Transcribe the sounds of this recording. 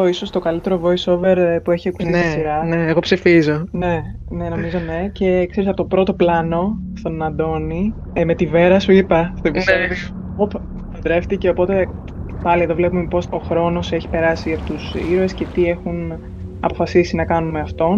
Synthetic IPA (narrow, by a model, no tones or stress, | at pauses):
oiso̞st̪o̞kɐlit̪e̞ɾo̞vo̞iso̞ve̞ɾpue̞çiɐku̥st̪isisiɾɐneːɣo̞psifizo̞ne̞neno̞mizo̞ne̞ce̞kse̞ɾisɐpot̪opɾo̞t̪o̞plɐno̞st̪o̞nɐnd̪o̞ni | met̪ive̞ɾɐsuipɐst̪oepise | op̪ | ɐd̪ɾe̞ft̪ice̞o̞po̞t̪e̞ | pɐlieðo̞vlepumepo̞so̞xɾo̞no̞seçi̥pe̞ɾɐsiɐpot̪usḭɾoe̞sce̞t̪ie̞xun | ɐ̰pofɐsisinɐkɐnumeɐft̪o̞n